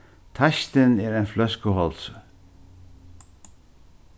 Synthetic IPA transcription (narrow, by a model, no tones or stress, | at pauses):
t̪ʰaʃt̪ɪnɛɾajnflœskəɦɔls